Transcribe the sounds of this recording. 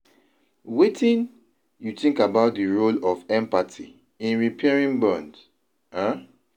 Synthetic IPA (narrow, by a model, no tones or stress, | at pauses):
wetʰĩn | jutĩŋkabaʊt̚diɹolɔfɛ̃mpatʰḭ | ĩnɹipʰɛɹĩnbɔ̃nd | a